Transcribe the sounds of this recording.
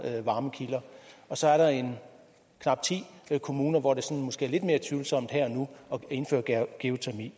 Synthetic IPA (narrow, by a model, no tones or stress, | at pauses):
ʋɑ̈ːməkʰilɐɒ̽sɒ̽æɐɾɑ̈e̝n | kʰnɑ̈b̥̚t͡sʰḭːkʰo̝muːnɐʋɒɾ̥e̝sɒ̽nmɔ̽sɡ̥e̝ːɐle̝d̥me̝ːɐt͡sʰʋyːl̩sɒ̽m̰d̥heɐ̰ɒ̽nuɒ̽e̝nfø̰ːɐ̥ɡ̥eot͡sʰæmḭː